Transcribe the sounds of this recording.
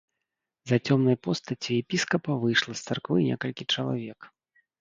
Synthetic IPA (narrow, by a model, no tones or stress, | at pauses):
zɐt͡sʲɔmnɐjpɔst̪ɐt͡sʲijɛpʲiskɐpɐvɨjʂlˠɐst̪sarkvɨnʲɛ̰kɐlʲkʲit͡ʂɐlˠa̰vʲɛk